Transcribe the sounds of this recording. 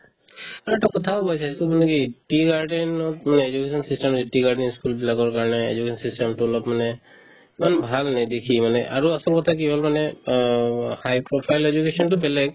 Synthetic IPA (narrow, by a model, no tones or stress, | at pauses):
aɹuɛʈakɔt̪ʰabɔjsʰajsumanɛkiʈiɡaɹɖɛnɔt̚manɛed͡ʒukesʰɔnsisʈɛmiʈiɡaɹɖɛniskulbilaɡɔɹkaɹɔnɛḛd͡ʒukesʰɔnsisʈɛmtulɔpmanɛ | manbʱalnajd̪ekʰimanɛʔa̰ɹuasɔlkɔt̪ʰak̬iɦɔlmanɛ | hajpɹɔpʰajled͡ʒukesɔntʊpɛlɛk̚